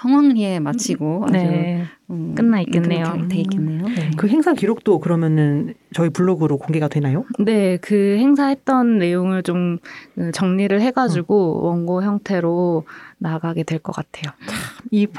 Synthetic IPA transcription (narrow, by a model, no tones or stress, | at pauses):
sʰʌŋwaŋie̞mat͡ɕʰiɡoa̰ne | ɯnːaik͈enːejoteik͈enːe̞joekɯɦe̞ŋsʰakiɾok̚t͈okɯɾʌmjʌnɯnt͡ɕʌipuɭːoɡɯɾokoŋɡe̞ɡadwenajone̞kɯhe̞ŋsʰaɦe̞t̚t͈ʌnːe̞joŋɯɭt͡ɕomkɯt͡ɕʌŋɲiɾɯɭɦe̞ɡad͡ʑuɡowʌŋɡoçjʌŋtʰe̞ɾonaɡaɡe̞dwe̞ɭk͈ʌk͈atʰe̞joi